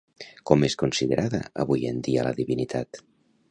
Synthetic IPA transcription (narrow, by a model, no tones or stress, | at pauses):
kɔmeskunsiðəɾʔaðəːβujend̪ialəðiβinit̪ʰat̪